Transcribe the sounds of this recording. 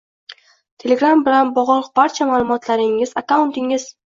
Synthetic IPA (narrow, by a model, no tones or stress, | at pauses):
t̪ʰe̞le̞ɡɾambɪlanbɒʁɒlˠqbaɾt͡ʃʰamaːlˠʊmɒt̪ʰlaɾɪŋɪzakawʊnt̪ɪŋɪz̥